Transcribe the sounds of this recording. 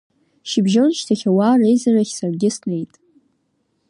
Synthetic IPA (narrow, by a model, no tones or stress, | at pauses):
ʃɪbʒonʃtʰaχʲawarejzaraχʲsarɡʲɪsne̞jtʼ